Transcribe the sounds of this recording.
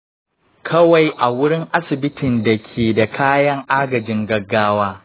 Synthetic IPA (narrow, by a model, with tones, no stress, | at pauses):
kʰɐ˦wa˨jʔa˨wʊ˦ɽɪ˦ŋʔa˦sɪ˨bɪ˦tɪ˨nda˨kʲʰeː˨da˨kʰaː˦jɐ˦ŋʔaː˦ɡɐ˨d͡ʒɪ˦ŋɡɐ˦ɡːaː˦waː˦